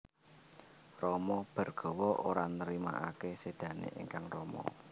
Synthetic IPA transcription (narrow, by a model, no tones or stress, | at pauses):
rɔmɔb̥ə̤rɡ̥ɔ̤wɔʔoɾanəɾima̰ʔakesed̪̥ä̤nḛʔeŋkaŋrɔmɔ̰